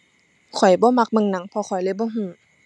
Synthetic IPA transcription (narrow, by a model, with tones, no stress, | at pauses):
kʰɔ˨˩jbɔː˧˦˨ma˧k̚mɤ˧˨ŋna˨˩˦ŋpʰɔ˧xʰɔ˨˩jlɤ˧˨bɔː˧˥˨ɦũː˧˩˨